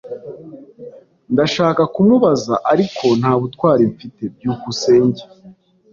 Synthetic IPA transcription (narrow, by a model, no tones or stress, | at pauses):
ndaʃaːkakumuβazaʔaɾikʰo̞n̥haːβutwaːɾeɱfite̞b̚juːkuse̞ːɲɟe